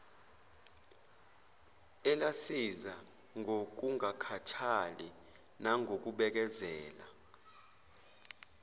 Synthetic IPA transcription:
ɛlasiza | ŋʱok̬ʼuŋakʰatʰali | naŋʱok̬ʼuɓɛk̬ʼɛzɛːla̰

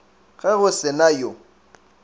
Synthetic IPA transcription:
ɣɛɣʊsɪnajo

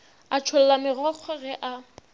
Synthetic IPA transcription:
at͡ʃʰol̩lamɪɣɔk͡xʰɔɣɛʔa

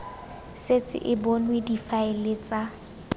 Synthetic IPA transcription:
set͡sʼɪ̰ʔɪbɔnwedifaelet͡sʼa

